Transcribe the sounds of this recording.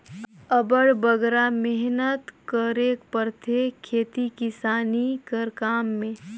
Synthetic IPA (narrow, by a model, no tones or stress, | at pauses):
əbəɽbəɡɾamɪɦnət̪kəɾekpəɾt̪ʰekʰeːt̪ikɪsaːnikəɾkaːmːẽː